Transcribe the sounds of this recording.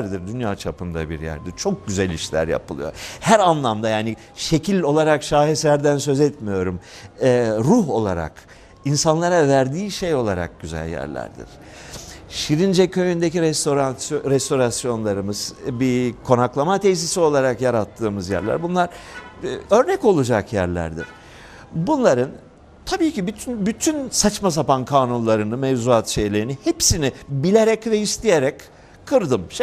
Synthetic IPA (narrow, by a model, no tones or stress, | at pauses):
ɾd̪iɾd̪ynjaːt͡ʃʰapɯmd̪a̰bḭɾjæ̰ɾd̪iɾt͡ʃʰo̞k̚ɟyzɛlʲḭʃlʲæ̰ɾja̰pɯlˠɯ̰jo̞̰hæɾanlˠamd̪ajaːni | ʃe̞cʰilʲo̞lˠaɾakʃaːɦesæɾd̪ænsø̞zɛt̪mijo̞ɾumɛɾuɦo̞lˠaɾa̰k | insanlˠaɾavæɾd̪iːʃe̞jo̞lˠaɾa̰k̚ɟ̥yzæ̰lʲjæ̰ɾlʲæ̰ɾd̪ḭɾ̥ | ʃiɾind͡ʒɛcʰøjynd̪eciɾɛst̪oɾasɾɛst̪o̞ɾasjo̞nlˠaɾɯmɯz̥bikʰo̞naklˠamat̪ʰejsisio̞lˠaɾakjaɾat̪ʰːɯːmɯzjæ̰ɾlʲæ̰ɾbunlˠaɾ | ø̞ɾnɛko̞lˠud͡ʒakjæ̰ɾlʲæ̰ɾd̪ḭɾ̥ | bunlˠaɾɯn | t̪ʰabiːcibyt̪ʰynbyt̪ʰynsat͡ʃmas̬apankʰaːnunlˠaɾɯnɯmevzuat̪ʃe̞jlʲe̞ɾinihepsinibilʲeɾɛcvɛist̪ʰijeɾɛc | kʰːɯɾd̪ɯmʃ